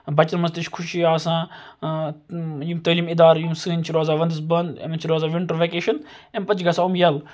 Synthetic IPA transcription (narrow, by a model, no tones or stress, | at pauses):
bɐt͡ʃɐɾmɐst̪ɨʃkʰʊʃiaːsãː | juːmt̪əːliːmid̪aːɾjuːmsɨːnʲt͡ʃʰiɾaːzaːʋɐnd̪ɨsbɐnd̪ḛmt͡ʃʰiɾoːzaːʋɪɳʈəɾʋekeːʃɐnempɐt̪t͡ʃʰʲɡɐsaːumjɐl